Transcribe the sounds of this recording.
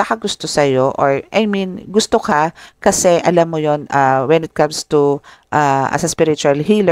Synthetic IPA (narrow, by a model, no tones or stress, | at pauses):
ɐkɐɡʊst̪osɐjoʔoɹʔajmĩnɡʊst̪okakɐsɛʔɐlamːojonawɛnɪt̪̚kɐ̃mst̪u | ʔaɐ̰sɐspɪɾɪt͡ʃʊɐlɦil